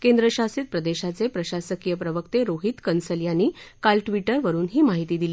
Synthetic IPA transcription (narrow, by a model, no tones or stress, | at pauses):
kend̪ɾəɕasiːt̪̚pɾəd̪eɕat͡sepɾəɕasəkijəpɾəʋəkt̪eɾoɦit̪kənsəljaniːkalʈʋiʈəɾʋəɾuːnɦiːmaɦit̪iːd̪iliː